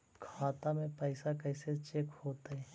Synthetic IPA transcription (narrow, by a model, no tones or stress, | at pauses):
kʰaːt̪amẽpɛɪsakɛːset͡ʃekhoːt̪eɦɛ